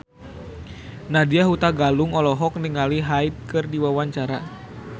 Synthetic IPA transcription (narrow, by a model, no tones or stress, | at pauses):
nadiaɦut̪aɡaluŋɔlɔɦɔk̚niŋaliɦait̪̚kɨrdiwawaɲt͡ʃaɾa